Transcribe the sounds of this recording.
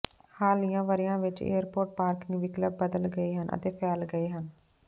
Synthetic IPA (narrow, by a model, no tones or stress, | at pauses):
haːlijãːʋəɾɪjãːʋɪt͡ʃḛːəɾpoːʈ̚paːɾkɪ̃ŋɡʋɪkləbːəd̪əlɡəiːɦənʔə̰t̪eːpʰɛːlɡəeːɦən